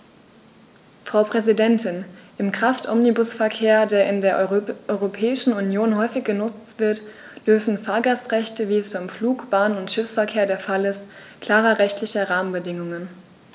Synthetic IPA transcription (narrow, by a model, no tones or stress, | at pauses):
fʁ̥aʊpʁ̥ɛzidɛntɪnʔɪmkʁ̥aftʔɔmnibʊsfɛɐkʰeːɐdeːɐʔɪndeːɐʔɔʏʁopʰɛːɪʃn̩unjoːnhɔʏfɪçɡ̥ənʊt͡stv̥ɪɐt | d̥ʏɐfn̩faːɐɡastʁɛçtəviːɛsb̥aɪmfluːkb̥aːnənʊntʃɪfsfɛɐkʰeːɐdeːɐfalɪst | kʰl̥aːʁɐʁɛçtlɪçɐʁaːmənbədɪŋʊŋən